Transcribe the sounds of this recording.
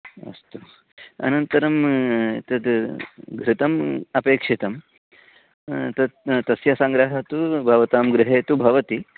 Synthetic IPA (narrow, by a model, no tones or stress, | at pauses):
ɐ̰st̪u | ɐ̰nɐnt̪ɐɾɐmt̪ɐd̪ɡʱɾɪt̪ɐmɐpeːkʂit̪ɐm | t̪ɐd̪t̪ɐsjɐsaŋɡɾɐɦɐt̪ubʱɐʋɐt̪aːmɡɾɪɦeːt̪ubʱɐʋɐt̪i